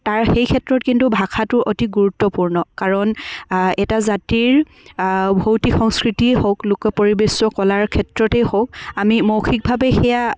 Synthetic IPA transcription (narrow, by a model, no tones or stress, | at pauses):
taɹxejkʰɛtɹɔtkintubʱakʰatʊʔotiɡuɹutːɔpuɹnɔkaɹɔnɛtazatiɹ | bʱowtikxɔŋskɹitihowklʊkɔpoɹibesɔkɔlaɹkʰɛtɹɔtɛjhowk̚amimowxʰik̚bʱabɛxɛja